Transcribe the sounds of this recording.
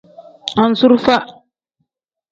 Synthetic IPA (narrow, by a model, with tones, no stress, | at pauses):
a˨n̩˦su˦ɾfa˦